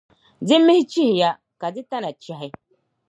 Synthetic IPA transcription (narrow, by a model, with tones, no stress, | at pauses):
dɪ˦mɪ˦hɪ˦t͡ʃi˦hɪ˨ja˦ | ka˨dɪ˦ta˦na˨t͡ʃɛ˨ɦɪ˦